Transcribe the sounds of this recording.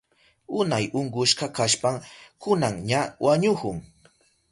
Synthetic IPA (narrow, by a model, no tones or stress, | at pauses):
ʊnajʊɴɢʊʃkakaʃpaŋkʊnaŋɲawʔaɲʊkʊŋ